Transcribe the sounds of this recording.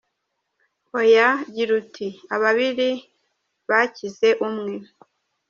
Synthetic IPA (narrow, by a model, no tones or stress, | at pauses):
hojaɟiɾutʰiaβaβiɾi | βacize̞ʔumŋe̞